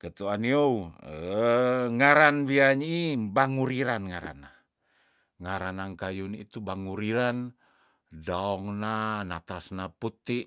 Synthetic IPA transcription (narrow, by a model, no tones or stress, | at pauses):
kət̪uaniouə | ŋaɾanwiaɲibaŋuɾiɾanŋaɾa̰na | ŋaɾanankajunḭt̪ubaŋuɾiɾan | daɔŋnanat̪asnaput̪iʔ